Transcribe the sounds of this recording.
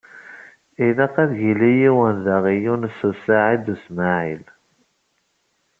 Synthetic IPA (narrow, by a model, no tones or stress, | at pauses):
ilæqæðʝilijiwənðaʁijunsusaʕid̪usmaʕil